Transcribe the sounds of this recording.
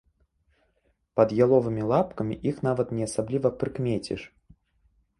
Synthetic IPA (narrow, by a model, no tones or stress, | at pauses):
pɐd̪jalˠɔvɨmʲilˠapkɐmʲiʔixnavɐt̪nʲɛɐsablʲivɐpɾɨkmʲet͡sʲḭʂ